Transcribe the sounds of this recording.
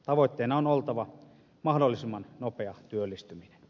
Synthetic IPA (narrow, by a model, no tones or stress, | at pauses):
t̪ɑʋoˑet̪ːeːnːɑonolt̪ɑʋɑ | mɑhdolːisimːɑnnopeɑt̪yølːist̪yminen